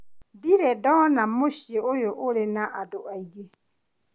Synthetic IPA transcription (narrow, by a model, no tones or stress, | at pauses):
diɾɛdɔnamoʃjeojoʔolenaʔadoaiɣe